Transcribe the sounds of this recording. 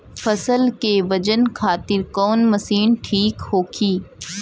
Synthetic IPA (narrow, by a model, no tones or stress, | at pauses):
fɐsəlkeʋɐd͡ʒənkʰaːt̪ɪɾkɔːnmɐsiːnʈʰiːkhoːkʰiː